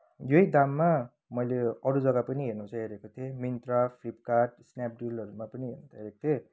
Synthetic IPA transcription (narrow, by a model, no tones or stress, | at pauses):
jojd̪amːa | mʌjleʌɾud͡zʌɡapʌniɦernut͡sʰʌɦeɾekot̪ʰemint̪ɾapʰlip̚kaʈ̚snap̚ɖulʌɾumapʌniɦḛɾnot͡sʰʌɦeɾekot̪ʰe